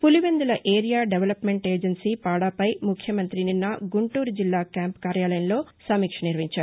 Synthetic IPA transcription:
puliʋend̪ulɐʔe̞ːɾijaːɖeʋɐlɐpme̞ɳʈe̞ːd͡ʒensiːpaːɽaːpɐjmukʰjɐmɐnt̪ɾininːɐɡuɳʈuːɾud͡ʒilːaːkjaːmpkaːɾjaːlɐjɐnlo̞ː | sɐmiːkʂɐniɾʋiɲt͡ʃaːɾu

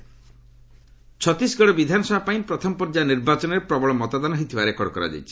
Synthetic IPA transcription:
t͡ʃʰɔt̪isɡɔɽɔbid̪ʱanɔsɔbʱapaĩpɾɔt̪ʰɔmɔpɔɾd͡ʒaniɾbat͡ʃɔneɾepɾɔbɔɭɔmɔt̪ad̪ɔnɔɦit̪ʰibaɾekɔɽɔkɔɾa̰d͡ʒa̰jt͡ʃʰi̥

